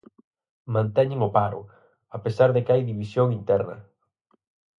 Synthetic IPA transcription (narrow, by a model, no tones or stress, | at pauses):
mãnt̪ɛɲɪŋʊpaɾʊ̰ | apesaɾðɪkeajðiβisjoŋint̪ɛɾnɐ̰